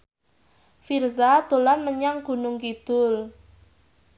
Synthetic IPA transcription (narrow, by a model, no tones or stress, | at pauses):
firzad̪̥o̤lanməɲaŋɡ̥ṳnʊŋkid̪̥ʊl